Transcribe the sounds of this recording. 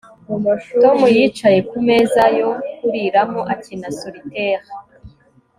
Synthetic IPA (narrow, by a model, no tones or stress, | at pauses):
to̞mujit͡ʃaje̞kume̞zajo̞kuɾiɾamoʔatinasoɾiteːʁi